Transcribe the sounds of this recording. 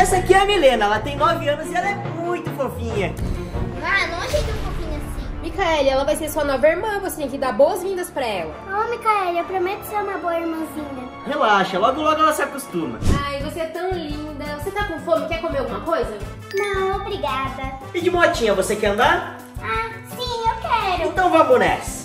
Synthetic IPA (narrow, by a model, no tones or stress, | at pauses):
ɛsakiɐmilẽnɐɛlɐt̪ẽj̃nɔvɪɐ̃nʊzɪɛlɐɛmũj̃t̪ʊfofĩɲɐ | anɐ̃w̃aʒẽjd͡ʒ̪iũfofĩɲʊasĩmikaɛlɪɛlɐvajseɾsuɐnɔvɐiɾmɐ̃voset̪ẽj̃kɪd̪aɾbowɐzvĩnd̪ɐspɾɐɛlɐ̰omikaɛlɪewpɾomet̪ʊ̥seɾũmɐboɐiɾmɐ̃zĩɲɐ | helaʃɐlɔɡʊlɔɡʊɛlɐsɪakust̪ũmɐ̰ajvoseɛt̪ɐ̃w̃lĩnd̪ɐvoset̪akõfõmɪkɛkomeɾawɡũmɐkojzɐ | nɐ̃w̃w̃obɾiɡad̪ɐpid͡ʒimoɛt͡ʃĩɲɐvosekɛɾɐ̃nd̪aɾ | a | sĩewkɛɾʊẽt̪ɐ̃w̃vabonɛ̰s